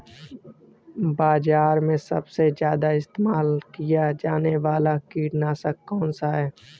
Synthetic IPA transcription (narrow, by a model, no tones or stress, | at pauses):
baːzaːɾmẽsɐ̰bsed͡ʒjaːd̪aɪst̪eːmaːlkijad͡ʒaːneʋaːlakiːʈnaːsəkːɔːnsaɦɛː